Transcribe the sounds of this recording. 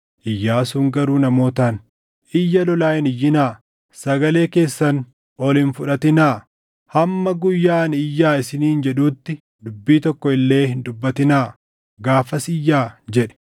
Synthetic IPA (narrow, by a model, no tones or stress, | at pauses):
ʔɪjːaːsuːŋɡɐɾuːnɐmo̞ːt̪aːn | ʔɪjːɐlɔlaːjɪnɪjːɪnaː | sɐɡɐle̞ːke̞ːsːɐn | ɔlɪnfʊᶑɐt̪ɪnaː | hɐmːɐɡʊjːaːnɪjːaːɪsɪniːnd͡ʒɛᶑuːt̪ːɪ | d̪ʊbːiːt̪ɔkːɔɪlːe̞ːhɪnd̪ʊbːɐt̪ɪnaː | ɡaːfɐsɪjːaːd͡ʒɛᶑɛ̥